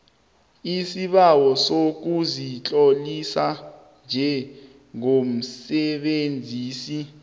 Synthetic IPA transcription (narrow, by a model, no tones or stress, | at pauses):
isiɓawɔsok̬uzit͡ɬʼolisa | nd͡ʒʱɛ | ŋom̩sɛɓend͡zʱiːsi